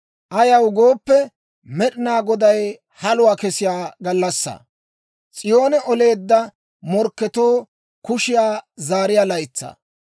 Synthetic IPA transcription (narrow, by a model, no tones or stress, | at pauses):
ʔɐjɐwɡo̞ːpːɛ | mɛɗɪnaːɡɔd̪ɐj | hɐlʊwaːkɛsɪjaːɡɐlːɐsːɐ̰ | t͡sʼɪjo̞ːnɛʔɔle̞ːd̪ːɐ | mɔɾkːɛt̪o̞ː | kʊʃɪjaːzaːɾɪjaːlɐjt͡sːɐ̰ː